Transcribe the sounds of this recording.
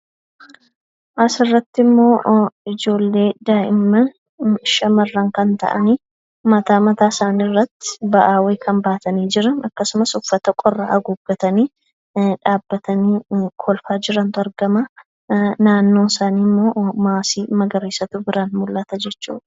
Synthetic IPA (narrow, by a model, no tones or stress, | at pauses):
ʔɐsɪrːɐt̪ːɪmːo̞ːɪd͡ʒo̞ːlːe̞ːd̪aːʔɪmːɐ | ʃɐmɐrːɐŋkɐnt̪ɐ̰ʔɐ̰niː | mɐt̪aːmɐt̪aːsaːnirːɐt̪ːɪ̥bɐʔaːweːkʰɐmbaːt̪ɐniːd͡ʒɪɾɐnɐkːɐsʊmɐsʊfːɐt̪ɐkʼɔrːaʔɐɡʊɡːɐt̪ɐniː | ᶑaːbːɐt̪ɐniːkʰɔlfaːd͡ʒɪɾɐnt̪ʊɐɾɡɐmɐ | naːnːo̞ːnsaːniːmːo̞ːmaːsiːmɐɡɐɾeːsɐt̪ʊbɪɾanmʊlːɐt̪ɐd͡ʒɛt͡ʃːṵːᶑɐ̥